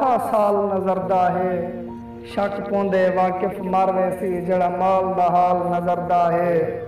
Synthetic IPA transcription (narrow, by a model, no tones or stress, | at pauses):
aːsaːlnəzəɾd̪aːɦeː | ʃəkʰpõːnd̪eːʋaːkɪfmaɾʋeːsiːd͡ʒeːɽaːmaːld̪aːɦaːlnəzəɾd̪aːɦeː